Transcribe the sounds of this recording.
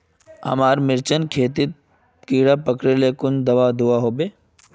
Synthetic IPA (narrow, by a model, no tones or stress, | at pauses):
ɦɐ̰maːɾmɪɾt͡ʃənkʰeːt̪it̪̚ | kiːɽapəkɾelekʊnd̪ɐʋad̪uaɦoːbeː